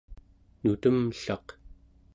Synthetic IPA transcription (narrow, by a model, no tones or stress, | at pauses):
nut̪əmɬɑq